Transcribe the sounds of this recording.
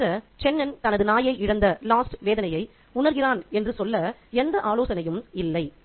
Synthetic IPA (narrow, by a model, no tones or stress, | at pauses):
ɐt͡ʃɛnːɐnt̪ɐnɐðɯnaːjɐɪʔɪɻɐnd̪ɐlaːsʈʋeːðɐnɐjɐɪ | ʊɳɐɾɣɪraːnɛndrɯsɔlːɐɛnd̪ɐʔaːloːsɐnɐjɯmɪlːɐɪ